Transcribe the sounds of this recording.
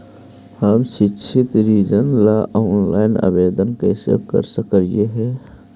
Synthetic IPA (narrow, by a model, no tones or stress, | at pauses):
həmʃɪkʃʰɪt̪ɾiːd͡ʒənlaʔɔːnlaːɪna̰beːd̪ənkeso̰kə̰ɾsəkəɾjeɦɛː